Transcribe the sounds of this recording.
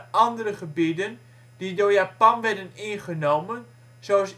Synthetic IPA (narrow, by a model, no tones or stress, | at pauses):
ʔɑndəɾəχəbidən | didojapɑnʋɛrdənɪnχənowmən | zos